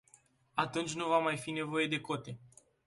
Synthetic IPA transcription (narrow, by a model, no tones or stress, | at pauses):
at̪unt͡ʃʲnuvamajfine̞vo̞je̞d̪e̞ko̞t̪e̞